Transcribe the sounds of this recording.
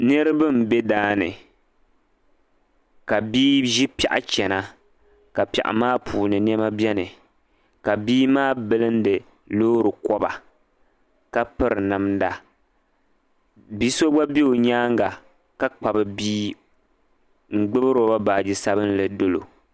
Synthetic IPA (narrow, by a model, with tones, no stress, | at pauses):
nɨ˦ɾɨ˦bɨ˦m̩˨bɛ˦daː˦nɨ̰˨ | ka˨biː˦ʒi˦pɛ˨ʔa̰˨t͡ʃɛ˨na˦ | ka˨pi˨ɛ̰˨ʔa̰˨maː˦pʰuː˨nɨ˨n˦ɛ˦ma˦bjɛ˦nɨ˨ | ka˨biː˦maː˦bɨ˦lɨ˦n˦dɨ˨ | loː˦ɾɨ˨kɔ˦ba̰˨ | ka˦pɨ˨ɾɨ˨nɨ˨mda˨ | bi˦so˦ɡ͡ba˦bi˦o˨ɲaː˦ŋɡa˨ | ka˦k͡pa˨bɨ˨biː˦ | ŋ͡m̩˦˨ɡ͡bɨ˦bɨ˦ɾo˨˦ba˦baː˨d͡ʒi˨sa˦bɨ˦n˦lɨ˨do˦lo̰˨